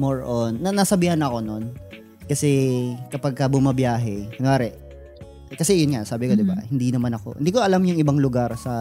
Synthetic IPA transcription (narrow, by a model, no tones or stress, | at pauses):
moɹʔonːɐnɐsɐbiːhɐnɐʔɐko̞no̞n | kɐsɛkɐpaɡ̚kɐbʊmɐbjaːɦɛɐnoaːɾɛʔ | kɐsɛjʊnŋasaːbɪkod̪ɪba̰hɪnd̪inɐmanɐko̞̰hɪnd̪iːkoʔɐlamjʊŋʔɪbaŋlʊɡaɾsɐ